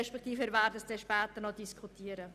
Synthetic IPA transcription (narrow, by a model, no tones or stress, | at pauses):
ɛʃpɛk̚ʰt̪iːfɛɾvæːɾdəsd̥ɛʃpɛːt̪ənɔdiskʰχutʰiːəɾə